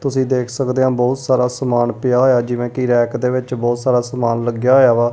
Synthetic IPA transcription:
t̪ʊsĩːd̪eːkʰsəkd̪eːãːbɔːt̪saːɾaːsəmaːnpɪjaːɦoːjaːd͡ʒɪʋẽːkiɾɛːkd̪eːʋɪt͡ʃbɔːt̪saːɾaːsəmaːnləɡjaːɦojaːʋaː

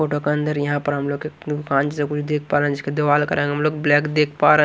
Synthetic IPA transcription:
foːʈokeɐ̃nd̪əɾjɐɦãpɐɾɦɐmloːɡked̪ʊkaːnt͡ʃsekʊt͡ʃʰd̪eːk̚ʰpaːɾẽɦd͡ʒɪsked̪eʋaːlkɐɾẽːɡeɦɐmloːɡblɛːkd̪eːkʰpaːɾe

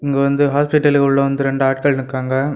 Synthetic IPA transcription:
ɪŋɡeʋɐnd̪ɯɦaːspɪʈːɐlɯkʊɭːɐʋɐnd̪ɯɾɛɳɖɯaːʈ̚kɐɭnɯkːaːŋɡɐ

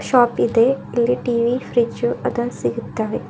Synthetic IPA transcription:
ʃɔːpid̪eːɪlːiːʈiːʋiːpʰɾit͡ʃuəd̪ə̃nsɪɡɪt̪ːaːʋeː

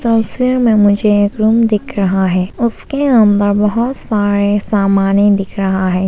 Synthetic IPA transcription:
t̪ɐswiɾmẽmʊd͡ʒʱeeːkɾumd̪ɪkʰɾɐɦaɦɛːʊskeamd̪əɾbɐɦʊt̪saːɾesaːmaːnid̪ɪkʰɾɐɦaɦɛː

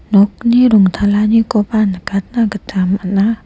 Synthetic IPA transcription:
nok̚niɾuŋt̪ʰalaɲikopanəkat̪̚naɡət̪ʰamana

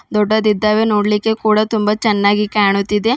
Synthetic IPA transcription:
d̪ɔɖːɐd̪id̪ːaːʋenoːɽlikːe̞kuːɽɐt̪umbɐt͡ʃɛnːaːɡikaːɳut̪ːid̪e̞

